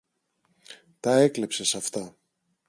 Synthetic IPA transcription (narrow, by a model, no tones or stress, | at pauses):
t̪ɐe̞kle̞pse̞sɐft̪ɐ